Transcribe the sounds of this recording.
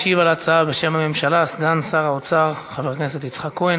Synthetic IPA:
ʃivalat͡saabe̞ʃe̞mhame̞mʃalasɡansaʁaot͡saʁχaveʁkneset̪it͡sχakuen

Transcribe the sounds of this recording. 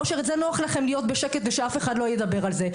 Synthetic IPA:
oʃeʁetzenoaχlaχe̞mlijo̞t̪beʃeket̪veʃeafe̞χad̪loajed̪abe̞ʁalze

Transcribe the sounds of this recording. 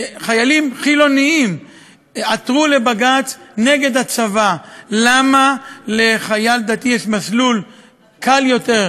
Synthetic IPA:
χajalimχilo̞niim | at̪ʁule̞baɡat͡sne̞ɡe̞d̪hat͡savalamale̞χajald̪at̪ijɛʃmaslul | kʰaljo̞t̪e̞ʁ

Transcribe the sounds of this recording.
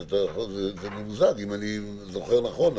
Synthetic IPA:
t̪azezemumuzaɡimani | zo̞χeʁnaχo̞n

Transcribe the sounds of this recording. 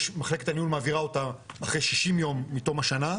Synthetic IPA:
maχle̞ke̞t̪anihulmaːviʁao̞t̪aaχʁejʃiʃimjo̞mːit̪omhaʃana

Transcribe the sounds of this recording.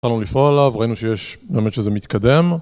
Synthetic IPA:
alnulifoalavʁainuʃejeʃbeːmet̪ʃezemit̪kad̪e̞m

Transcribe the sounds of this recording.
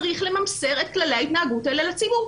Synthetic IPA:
ʁiχle̞mamse̞ʁe̞t̚klalejait̪naaɡutelelat͡sibuʁ

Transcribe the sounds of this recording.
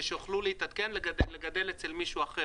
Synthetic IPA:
ʃeoχluleit̪at̪kenleɡadeleɡad̪elet͡selmiʃuaχe

